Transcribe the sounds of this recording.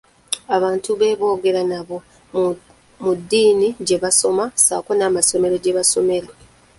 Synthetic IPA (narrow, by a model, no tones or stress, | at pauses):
aβaːntuβe̞βo̞ːɡe̞ɾanaβo̞ | mudːiːniɟe̞βaso̞masaːkonaːmaso̞me̞ɾo̞ɟe̞βaso̞me̞ɾa